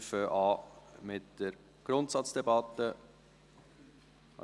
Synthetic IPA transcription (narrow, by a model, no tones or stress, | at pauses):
fəʔɑːmɪtd̥əɾ | ɡ̥ɾʊntsɑt͡sd̥ɛbɑt̪ːə